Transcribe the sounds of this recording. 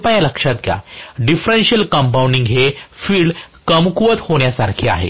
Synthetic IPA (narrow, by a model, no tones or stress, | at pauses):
pajaləkʂat̪ɡʱja̰ɖifɾenɕiəlkəmp̬awuɳɖiŋɡɦefiːɽkəmkuʋət̪hoɽ̃jasaɾkʰiːa̰ɦḛ